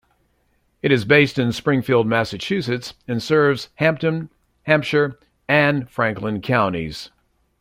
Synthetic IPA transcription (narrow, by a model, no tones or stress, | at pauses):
ɨɾɨzbeɪstɨ̃nspɹɪ̃ŋfilˠd̚mæsɨt͡ʃʰʉsɨtsɨ̃nsɜ˞vz̥hæ̃mp̚tɨ̃n | hæ̃mpʃə˞ | ɨ̃nfɹæ̃ŋklə̃nkʰãʊ̃nḭz̥